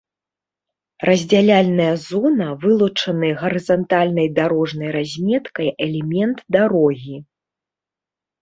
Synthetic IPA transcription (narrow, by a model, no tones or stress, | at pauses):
rɐzʲd͡zʲalʲalʲnɐjɐzɔnɐvɨlˠut͡ʂɐnɨɣɐɾɨzɐnt̪alʲnɐjd̪aɾɔʐnɐjɾazʲmʲɛt̪kɐjɛlʲɛmʲɛnt̪d̪aɾɔɣʲi